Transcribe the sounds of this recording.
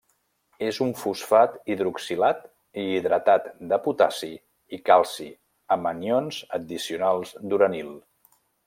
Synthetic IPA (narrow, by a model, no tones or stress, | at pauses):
ezuɱfusfat̪iðɾuksilat̪ | iːðɾət̪at̪d̪əput̪asi | ikalˠsi | əmənjonzəd̪isiunalˠzd̪uɾənilˠ